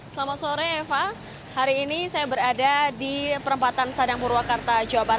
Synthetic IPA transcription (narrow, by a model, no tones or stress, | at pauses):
səlamat̪soɾɛːfa | haɾiːnisajabəɾadadipəɾəmpat̪ansadaŋpuɾwakart̪ad͡ʒawabaɾa